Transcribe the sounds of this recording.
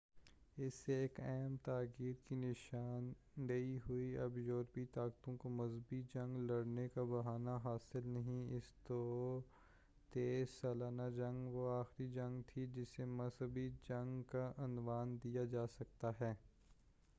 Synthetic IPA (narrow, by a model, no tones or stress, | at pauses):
ɪsːeeːkɛːmt̪aːkiːd̪kinɪʃaːn | dɐiɦʊiɐbjɔːɾpit̪aːkt̪õkomɐzbid͡ʒɐ̃ŋɡlɐɽnekabɐɦaːnaɦaːsɪlnɐɦĩɪst̪o | t̪eːsaːlaːnad͡ʒɐ̃ŋɡʋoaːxɾid͡ʒɐ̃ŋɡt̪ʰid͡ʒɪsːemɐzɦəbid͡ʒɐ̃ŋɡkaʔɐnʋaːnd̪ijad͡ʒaːsɐk̚t̪aɦɛː